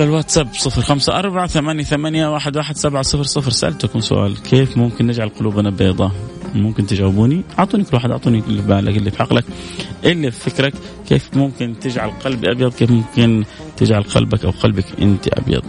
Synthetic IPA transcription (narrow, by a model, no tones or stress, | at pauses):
ðalwaʔt̪sabsˤɨfɾxamsaʔɑɾˤbaʕaθamanjaθamanjawaːħɪd̪waːħɪd̪sabʕasˤɨfɾsˤɨfɾsaʔa̰lt̪akumsʊ̰ʔa̰ːlkʰeːfmʊmkɪnːɪd͡ʒʕalqʊluːbʔanabeːd̪ˤɑmʊmkɪnt̪ɪd͡ʒawɪbuːniʔɑʕt̪ˤuːnikʊlwaːħɪd̪ʔɑʕt̪uːnikʊlːɪfbaːlʔa̰kɪlːifħɑqlʔakʔɪlːiffɪkɾak | kːeːfmʊmkɪnt̪ɪd͡ʒʕalqɑlbiʔɑbjɑd̪ˤkeːfmʊmkɪn | t̪ɪd͡ʒʕalqɑ̰lbakʔa̰wqɑlbakʔɪ̰nt̪ḭʔɑ̰bjɑ̰d̪ˤ